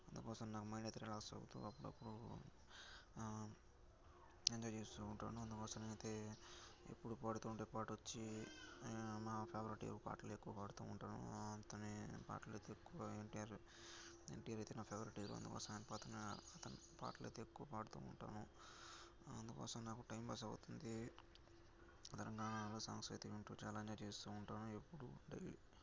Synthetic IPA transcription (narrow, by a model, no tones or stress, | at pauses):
ɐnd̪ukɔːsɐmnaːkumɐjɳɖet̪ɾɛlaːksɐ̰ɡut̪ṵɐpːuɽuɐ̰pːuɽu | eɲd͡ʒaːjt͡ʃeːst̪uuɳʈa̰ːnuɐnd̪ukɔːsɐmɐjt̪e | ḛpːuɽupaːɽut̪uːɳʈeːpaːʈʋot͡ʃːi | maːpʰeːbɐɾiʈḭlupa̰ːɾʈlekːuʋɐpaːɽut̪uːuɳʈaːnṵɐnt̪ɐnipa̰ːɾʈlet̪eekːuʋɐeɳʈijaːɾ | ḛɳʈijaːɾɐjt̪eːnaːpʰeːbɐɾiʈilo̰ɐ̰nd̪ukɔ̰ːsɐmanpaːt̪ɐniɐt̪ɐnipa̰ːɾʈlɐ̰jt̪eːkːuʋɐpaːɽut̪ṵːuɳʈa̰ːnu | ɐ̰nd̪ukɔ̰ːsɐmnaːkuʈɐjmpɐs̬ɐɡut̪und̪i | t̪ɐɾɐŋɡaːnaloːsaːŋskɾit̪iʋiɳʈuːt͡ʃaːlaɐɲd͡ʒaːjɐt͡ʃeːst̪uːɳʈaːnue̞pːuɽuɖɐjli